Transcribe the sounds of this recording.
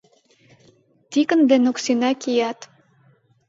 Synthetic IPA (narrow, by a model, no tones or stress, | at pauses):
t̪ikə̆nd̪enoksinɑkijɑt̪